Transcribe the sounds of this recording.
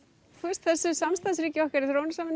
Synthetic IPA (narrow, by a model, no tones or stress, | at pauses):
t̪ʰuɪ̥st̪θɛsːʏsamst̪ans̬ɾiːcɪɔkaɾɪθɾownʏsaːmɪn